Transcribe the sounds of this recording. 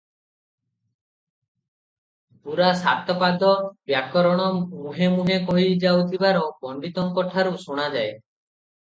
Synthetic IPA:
puɾasa̰t̪ɔpad̪ɔbjakɔɾɔɽ̃ɔmuɦemuɦekɔɦid͡ʒawt̪ʰibaɾɔbɔɳɖit̪ɔŋkɔʈʰaɾusuɽ̃ad͡ʒae

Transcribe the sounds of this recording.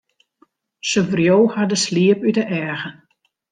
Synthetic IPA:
səvrjoːhadəsliəpytəʔɛːɣən

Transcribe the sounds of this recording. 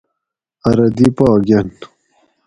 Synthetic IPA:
ɐɾɐd̪ipɑːɡɐn

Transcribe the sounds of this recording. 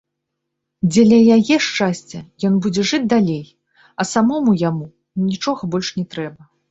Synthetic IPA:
d͡zʲɛlʲɐjajɛʂt͡ʂasʲt͡sʲɐjɔnbud͡zʲɛʐɨd͡zʲd̪alʲej | ɐsamɔmujamu | nʲit͡ʂɔɣɐbɔlʲʂnʲɛt̪ɾɛbɐ

